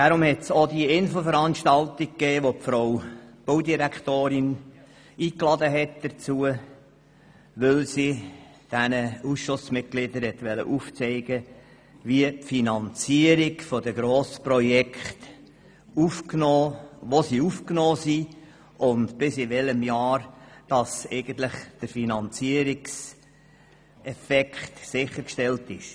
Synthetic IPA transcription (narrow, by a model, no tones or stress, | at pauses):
d̥aɾʊmhɛtsod̪iɪnfl̩fəɾɑnʃtɑlt̪ik̚kːɛːʋopfɾowb̥owdiɾækt̪oːɾɪn | iːklɑdəɦɛt̚d̥̪əɾt͡suə | ʋʏlsi | d̥ænəusʃʊsmɪt̚ɡ̥lɪd̪əɾhɛt̪ʋɛlə̰ʔuft͡sɛɪɡə | ʋiəpfinɑnt͡siəɾikfodəɡɾoːspɾɔjɛkχt̪ | ufknɔːʋosiːufknɔːsi | ʔʊnt̪b̥ɪsɪʋɛləmjɑːɾd̥ɑsɛ̰ɪɡən̩t̪lɪχd̥əɾfinɑnt͡siəɾɪks | ɛfɛkχtsɪχːəɾkʃtɛltɪʃ